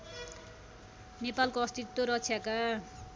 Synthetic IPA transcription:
nepalkoʌst̪it̪woɾʌkt͡sʰjaka

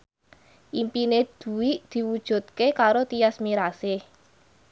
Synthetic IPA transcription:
ʔimpined̪̥ṳwiʔd̪̥i̤wud̥ʒ̥ṳt̪̚kekaɾot̪ijasmiɾasɪ

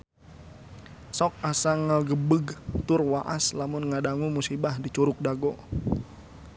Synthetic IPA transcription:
sɔk̚asaŋaɡəbəɡt̪ʊrwaʔaslamʊnŋadaŋumusibahdit͡ʃuɾʊk̚daɡɔ

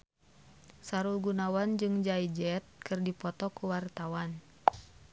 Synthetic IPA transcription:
saɾulɡunawand͡ʒɨŋd͡ʒaid͡ʒɛt̪̚kɨrdipɔt̪ɔkuwart̪awan

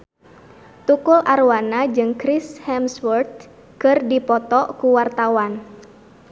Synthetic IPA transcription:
t̪ukʊlʔarwanad͡ʒɨŋkɾishɛmswərt̪̚ | kɨrdipɔt̪ɔkuwart̪awan

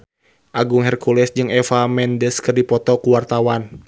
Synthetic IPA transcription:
ʔaɡʊŋɦɛrkulɛsd͡ʒɨŋɛfamɛndɛskɨrdipɔt̪ɔkuwart̪awan

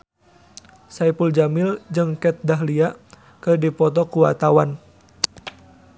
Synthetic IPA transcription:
sajpuld͡ʒamɪld͡ʒɨŋkɛt̪̚daɦlia | kɨrdipɔt̪ɔkuwa̰t̪awan

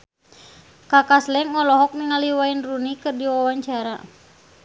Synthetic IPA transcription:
kakaslɛŋːɔlɔɦɔk̚niŋaliwainrunikɨrdiwawaɲt͡ʃaɾa̰

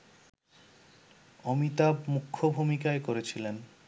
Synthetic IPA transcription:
ɔmit̪abmukʰːobʱumikaekoɾet͡ɕʰilen

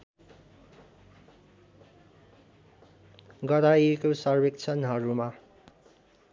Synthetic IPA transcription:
ɡʌɾaikosʌrbekt͡sʰʌnɦʌɾuma

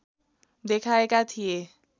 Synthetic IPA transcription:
d̪ekʰaekat̪ʰie

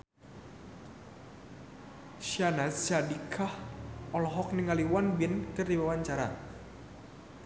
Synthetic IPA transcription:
ʃanast͡ʃadikʰahɔlɔɦɔk̚niŋaliwanbɪnkɨrdiwawaɲt͡ʃaɾa̰

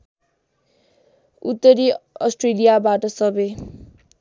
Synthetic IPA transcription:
ut̪ːʌɾiʌsʈrelijabaʈʌsʌbe

